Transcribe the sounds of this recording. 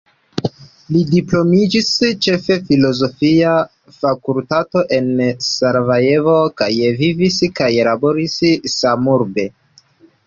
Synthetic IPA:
lidiplo̞mid͡ʒist͡ʃe̞fe̞filo̞zo̞fia | fakultato̞ʔe̞nsaɾvaje̞vokajviviskajlabo̞ɾissamuɾbe̞

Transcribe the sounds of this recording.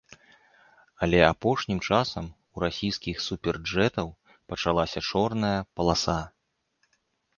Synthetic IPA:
ɐlʲɛapɔʂnʲimt͡ʂasɐm | uɾasʲijskʲixsupʲɛrd͡ʐɛt̪ɐw | pɐt͡ʂalˠasʲɐt͡ʂɔrnɐjɐpɐlˠasa

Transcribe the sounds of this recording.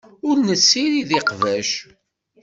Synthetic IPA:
ʊɾnəsːiɾiðɪqvæʃ

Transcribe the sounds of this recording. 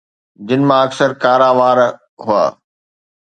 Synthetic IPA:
d͡ʑɪnɪ̆mãɐksəɾkaːɾaːʋaːɾ | ɦua̰ː

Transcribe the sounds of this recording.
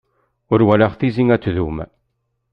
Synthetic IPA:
ʊɾwælaʁθiziŋæt͡sːðum

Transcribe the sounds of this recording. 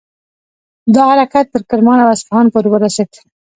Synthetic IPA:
d̪ɑhaɾɑkat̪ːəɾkɪɾmɑnawasfahɑnpoɾewəɾased̪

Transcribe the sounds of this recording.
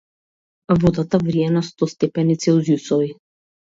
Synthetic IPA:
vɔd̪at̪avɾiɛnast̪ɔst̪ɛpɛnit̪sɛuzjusɔvi

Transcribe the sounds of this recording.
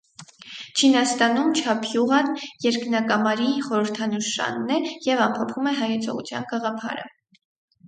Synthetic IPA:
t͡ʃʰinɑst̪ɑnumt͡ʃʰɑpʰjuʁɑnjɛɾknɑkɑmɑɾiχɔɾəɾt̪ʰɑnuʃɑ̰nːɛjɛvɑmpʰɔpʰumɛɦɑjɛt͡sʰɔ̰ʁṵt͡sʰjɑ̰nɡɑʁɑpʰɑ̰ɾə̰

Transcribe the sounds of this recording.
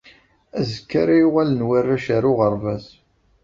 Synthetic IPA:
æzəkːaɾajuʁælənwarːaʃaɾʊʁəɾˤvæs

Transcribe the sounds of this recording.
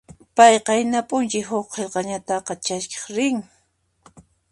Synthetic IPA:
pɑjqɑɪnapʼʊnt͡ʃɪɦʊχqːelqɑɲat̪ɑqɑt͡ʃaske̥χɾɪŋ

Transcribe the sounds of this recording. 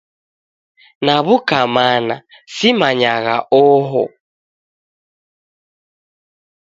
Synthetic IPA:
naβukamana | simaɲaɣa̰ʔɔɦɔ̰

